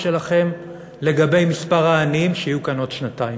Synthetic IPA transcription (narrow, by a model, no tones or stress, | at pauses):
ʃe̞laχe̞m | le̞ɡabe̞jmispaʁaːnimʃeijukano̞tʃnataim